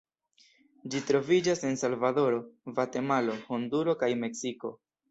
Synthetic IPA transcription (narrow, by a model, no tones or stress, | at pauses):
d͡ʒitɾo̞vid͡ʒase̞nsalvado̞ɾo̞vate̞malo̞honduɾo̞kajme̞ksiko̞